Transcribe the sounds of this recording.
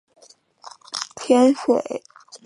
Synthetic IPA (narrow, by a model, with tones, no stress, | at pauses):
t̪ʰjɛ˥nʂwe˨˩˦ɪ